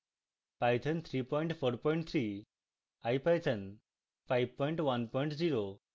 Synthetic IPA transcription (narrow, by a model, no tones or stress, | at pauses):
pajt̪ʰənt̪ʰɾipɔjɳʈfoɾpɔĩɳʈt̪ʰɾi | ajpajt̪ʰən | fʰajʋpɔiɳʈʋɐnpɔiɳʈd͡ziɾo